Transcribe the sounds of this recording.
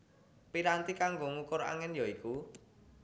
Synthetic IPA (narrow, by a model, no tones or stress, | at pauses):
piɾant̪ikaŋɡoŋukʊɾa̰ŋɛnjɔiku